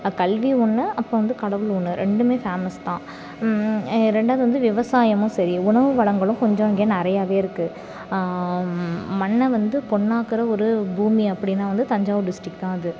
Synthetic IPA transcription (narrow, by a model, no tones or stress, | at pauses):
kɐlʋiʊɳːɯɐpːõːʋɐnd̪ɯkɐɽɐʋɯlʊɳːɯɾʔɛɳɖɯmeːfaːmɐst̪ãː | ɾɛɳɖaːðɯʋɐnd̪ɯʋɪʋɐsaːjɐmʊ̃sɐɾiʊɳɐʋɯʋɐɽɐŋɡɐɭɯ̃kɔɲd͡ʒõɪŋɡeːnɪɾɐjaːʋeːɪɾɯkːɯ | mɐɳːɐʋɐnd̪ɯpɔɳːaːkɯɾɐɔɾɯbuːmiɐpːɐɽɪnːaːʋɐnd̪ɯt̪ɐɲd͡ʒaːʋɯɖɪsʈɾɪk̚ʈ̪ãːɪðɯ